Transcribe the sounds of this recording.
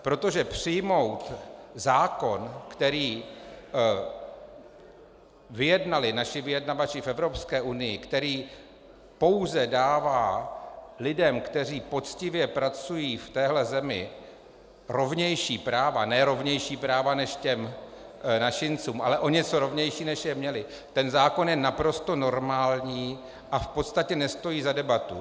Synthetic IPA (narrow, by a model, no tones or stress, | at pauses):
pɾo̞t̪o̞ʒɛpr̝̥ɪjmo̞wt̪zaːko̞nkt̪ɛɾiː | vɪjɛdnalɪnaʃɪvɪjɛdnavat͡ʃɪfʔɛvɾo̞pskɛːʔunɪjɪkt̪ɛɾiː | po̞wzɛdaːvaː | lɪdɛmkt̪ɛr̝iːpo̞t͡scɪvjɛpɾat͡sujiːft̪ɛːɦlɛzɛmɪ̰ | ɾo̞vɲɛjʃiːpɾaːvanɛɾo̞vɲɛjʃiːpɾaːvanɛʃcɛm | nat͡ʃɪnt͡suːmʔalɛʔo̞ɲɛt͡so̞ɾo̞vɲɛjʃiːnɛʃjɛmɲɛlɪ | t̪ɛnzaːko̞njɛnapɾo̞st̪o̞no̞ɾmaːlɲiː | ʔafpot̪st̪acɛnɛst̪o̞jiːzadɛbat̪ṵ